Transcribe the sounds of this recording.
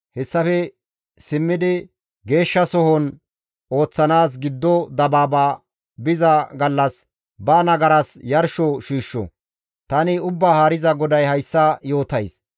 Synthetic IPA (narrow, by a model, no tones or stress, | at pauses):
hɛsːɐfɛ | sɪmːɪd̪ɪ | ɡe̞ːʃːɐsɔhɔn | o̞ːt͡sːɐnaːs̬ɡɪd̪ːɔd̪ɐbaːbaː | bɪzɐɡɐlːɐs | bɐnɐɡɐɾɐsjɐɾʃɔʃiːʃːɔ̰ | t̪ɐnɪʊbːaːhaːɾɪzɐɡɔd̪ɐjhɐjsːɐjo̞ːt̪ɐjs